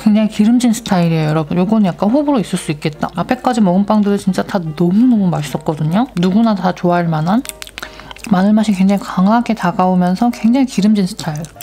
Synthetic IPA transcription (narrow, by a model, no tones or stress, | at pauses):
kwe̞ŋd͡ʑaŋikiɾɯmd͡ʑinsʰɯ̥tʰaiɾiejʌɾʌbɯnjoɡʌnjak̚k͈anɸobuɾois͈ɯɭs͈uik͈e̞t̚t͈a̰apʰe̞k͈ad͡ʑimʌɡɯmp͈aŋdɯɾɯt͡ɕint͡ɕ͈atʰanʌmunʌmumaɕʰis͈ʌt̚k͈ʌdɯɲonuɡunatat͡ɕoaɭmanan | manɯɭmaɕʰikwe̞ŋd͡ʑaŋikaŋaɡe̞taɡaomjʌnsʰʌkwe̞ŋd͡ʑaŋikiɾɯmd͡ʑinsʰɯ̥tʰaiɾ